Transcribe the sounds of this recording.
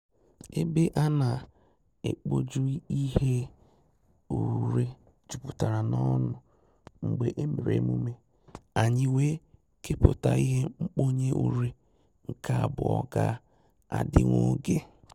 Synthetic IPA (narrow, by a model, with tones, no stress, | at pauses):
e˦be˦ʔa˦na˨ | ḛ˨k͡po˦d͡ʒu˦i˦ɦe˦ | u˨ɾe˦ | d͡ʒu˨pu˨ta˨ɾa˨nɔ˦nʊ˨ | ŋ͡m̩˨ɡ͡be˨ʔe˦me˨ɾḛ˨˦mu˦me˦ | a˨ɲɪ˦we˦ | ke˦pʊ˨ta˨i˦ɦe˦ŋ͡m̩˦k͡po˦ɲe˦ʔu˨ɾe˦ | ŋ̩˨ka˦a˨bʊ˨ɔ̰˨ɡa˦ | a̰˨dɪ̰˦ŋo˦ɡe˦